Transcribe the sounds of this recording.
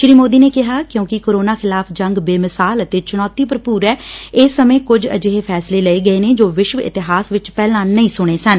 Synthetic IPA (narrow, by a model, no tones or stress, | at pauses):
ʃɾiːmoːd̪iːneːkɪɦaːkjõːkɪkoːɾoːnaːxʰɪlaːpʰd͡ʒəŋɡbeːmɪsaːlət̪eːt͡ʃʊñɔːt̪iːpəɾpuːɾɛːɪːsːəmẽːkʊd͡ʒə̰d͡ʒeɦeːpʰɛːsleːləeːɡəeːneːd͡ʒoːʋɪʃʋɪ̰t̪ɪɦaːsʋɪt͡ʃpɛːlãːnəĩːsʊɽ̃eːsən